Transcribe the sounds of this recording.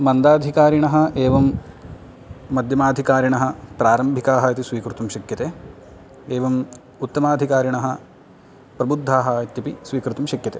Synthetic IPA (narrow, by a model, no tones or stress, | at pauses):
mɐnd̪aːd̪ʱikaːɾiɳɐɦɐ̆eːʋɐm | ɐd̪ʱjɐmaːd̪ʱikaːɾiɳɐɦɐ̆pɾaːɾɐmbʱikaːɦɐɐt̪isʋiːkɾut̪umʃɐkjɐt̪eː | eːʋɐm | ut̪ːɐmaːd̪ʱikaːɾiɳɐɦɐ̆ | pɾɐbud̪ʱːaːɦɐɐt̪jɐpisʋiːkɾut̪umʃɐkjɐt̪eː